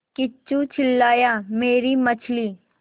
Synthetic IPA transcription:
kɪt͡ʃːut͡ʃʰɪlːaːjameːɾimɐt͡ʃʰliː

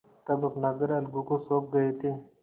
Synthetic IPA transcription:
t̪ɐbɐpnaːɡəɾɐlɡukosoːk̚ɡɐet̪ʰeː

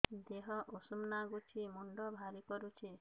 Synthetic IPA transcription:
d̪eɦɔʔosumnaɡut͡ʃʰimuɳɖɔbʱaɾikɔɾut͡ʃʰi

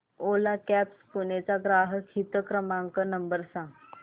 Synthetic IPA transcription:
olakɛpspunet͡saɡɾaɦəkʰit̪əkɾəmãŋkənəmbəɾsãŋɡ

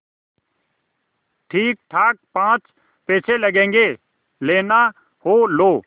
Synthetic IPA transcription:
ʈʰiːk̚ʈʰaːk̚pãːt͡ʃ | peːt͡ʃʰelɐɡẽːŋɡe | leːna | hoːloː

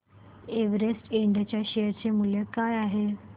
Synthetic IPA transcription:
eʋɾesʈeɳɖət͡ɕjaɕejəɾt͡semuljəkajaɦe

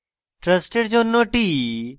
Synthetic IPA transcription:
ʈɾəsʈeɖd͡ʒoːnːoʈiː

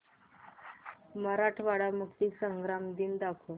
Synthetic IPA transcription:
məɾaʈʰʋaɽamukt̪isəŋɡɾamd̪ind̪akʰo

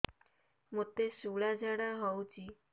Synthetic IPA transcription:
mot̪esuɭad͡ʑaɽaɦɔwt͡ɕi

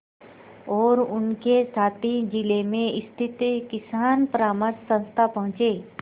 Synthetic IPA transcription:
ɔːɾʊnkesaːt̪ʰid͡ʒɪlemẽɪst̪ʰɪt̪kɪsaːnpəɾaːməɾsə̃nst̪ʰapɐɦʊ̃t͡ʃeː

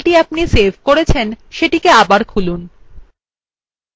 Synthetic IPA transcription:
lʈiapnisebʱkoɾet͡ɕʰenʃeʈikeabaɾkʰulun

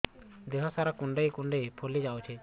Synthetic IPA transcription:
d̪ɛɦɔsaɾakuɳɖejkuɳɖejpʰolid͡ʒawt͡ʃʰɛ

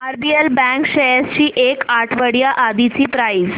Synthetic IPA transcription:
əɾbielbɛ̃ŋkɕejest͡ɕiːʔekaʈʰʋəɽjaʔad̪it͡siːpɾaiːs

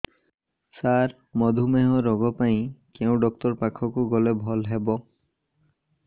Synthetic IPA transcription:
saɾ | mɔd̪ʱumeɦɔɾɔɡɔpaĩkeũɖɔk̚t̪ɔɾpakʰɔkuɡɔlebʱɔlɦebɔ

